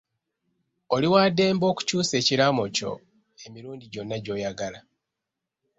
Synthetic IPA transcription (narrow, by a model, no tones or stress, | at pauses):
oliwaːde̞ːmbo̞ːku̥cuːse̞ːciɾamo̞co̞̰ | e̞miɾuːndiɟo̞nːaɟo̞ːjaɡala